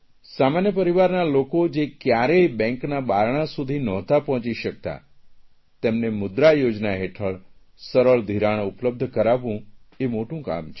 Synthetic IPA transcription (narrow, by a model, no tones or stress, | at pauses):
samanjəpəɾiʋaɾnalokod͡ʒekjaɾebɛ̃ŋknabaɾɳ̃asud̪ʱinɔt̪apɔɦɔ̃t͡ʃiʃək̚t̪a̰ | t̪emnemʊd̪ɾajod͡ʒnaɦeʈʰəɭ | səɾəɭd̪ʱiɾaɽ̃ʊpləb̚d̪ʱkəɾaʋũemoʈũka̰mt͡ʃʰ